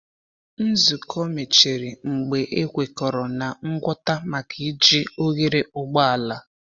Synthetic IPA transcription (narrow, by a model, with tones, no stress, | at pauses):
n̩˦zu˨kʰɔ˦me˨t͡ʃe˨ɾi˨ŋ͡m̩˨ɡ͡be˨ʔe˦kʷe˨kɔ˨ɾɔ˨na˨ŋ̩˦ɡʷɔ˦ta˦ma˨kʰi˨˦d͡ʒi˦o˦ɣe˦ɾe˦ʔʊ˦ɡ͡ba˦a˨la˨